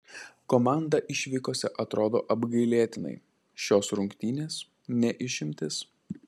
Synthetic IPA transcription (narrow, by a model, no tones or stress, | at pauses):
koːmɑˑnd̪ɐʔɪʃʲʋʲikoːsʲɛʔɐt̪ɾoːd̪o̰ːʔɐbɡɐɪlʲeːt̪ʲɪnɐ̰ɪ | ʃʲoːsɾʊŋʲkt̪ʲiːnʲeːs | nʲɛʔɪʃʲɪmʲt̪ʲɪs